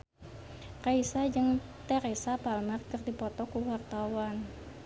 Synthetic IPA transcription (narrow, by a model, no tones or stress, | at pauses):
kaisad͡ʒəŋt̪ɛɾesabalmarkərdipɔt̪ɔkuwart̪awan